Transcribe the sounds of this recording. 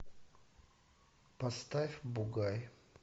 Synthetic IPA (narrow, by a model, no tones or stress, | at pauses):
pɐst̪afʲbʊɡaj